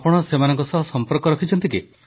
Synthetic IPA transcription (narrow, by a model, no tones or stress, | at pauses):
pɔɽ̃ɔsemanɔŋkɔsɔɦɔsɔmpɔɾkɔɾɔkʰit͡ʃʰɔnt̪iki